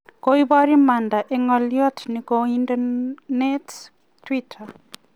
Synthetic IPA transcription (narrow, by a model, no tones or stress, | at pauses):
koibɔɾimandaʔeŋɔljɔt̪ʰnikoindanets | twitʰa